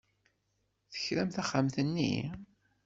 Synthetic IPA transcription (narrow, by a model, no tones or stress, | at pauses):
θə̥çɾæmθæχːamθənːḭ